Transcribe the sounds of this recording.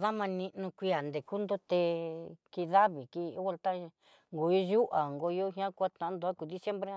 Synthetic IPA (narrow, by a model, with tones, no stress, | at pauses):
ða˦mã˧nĩ˧nũ˧kʷi˧˦a˨nd̪e˨ku˦nd̪o˦t̪e˧ki˧ða˦βi˨ki˧˦ɣʷa˧lt̪a˦˧ | ŋɡo˨i˦ʒu˦ʔa˨ŋɡo˧jo˦ɦã˦kʷa˦t̪ã˨˦nd̪u˧a˦ku˨ði˦sje˦mbɾe˦ã˦